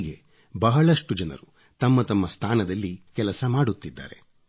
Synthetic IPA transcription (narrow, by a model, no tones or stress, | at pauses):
ɡe̞ | bɐɦɐɭɐʂʈud͡ʒɐnɐ̰ɾu | t̪ɐmːɐt̪ɐmːɐst̪ʰaːnɐd̪ɐlːikɛlɐsɐmaːɽut̪ːid̪ːa̰ːɾe̞̰